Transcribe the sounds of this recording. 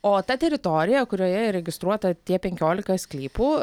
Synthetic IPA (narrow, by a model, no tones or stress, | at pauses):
oːt̪ɐt̪ʲɛɾʲɪt̪oːɾʲɪjɛkʊɾʲoːjɛɾʲɛɡʲɪst̪ɾuɔt̪ɐt̪ʲiɛpʲɛŋʲkʲoːlʲɪkɐsʲklʲiːpuː